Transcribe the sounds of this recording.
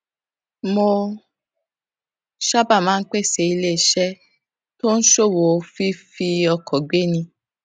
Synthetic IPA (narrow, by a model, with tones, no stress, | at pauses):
mo˧ | ʃa˦ba˦˨mãː˦n̩˦k͡pe˦˨se˧˨i˧le˦˨ʃɛ˦ | to˦ñ̩˦ʃo˦˨wo˨˧fi˦fi˧ɔ˧kɔ˨ɡ͡be˦nĩ˧